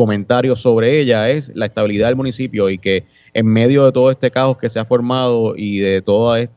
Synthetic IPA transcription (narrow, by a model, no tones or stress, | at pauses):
o̞mẽnt̪aɾjo̞so̞βɾe̞e̞ʝae̞slaest̪aβiliðaðelmũnisipjo̞ike̞ː | ŋme̞ðjo̞ðe̞t̪o̞ðo̞e̞st̪e̞kaho̞ske̞se̞afo̞ɾmaðo̞ʔiðe̞t̪o̞ðaes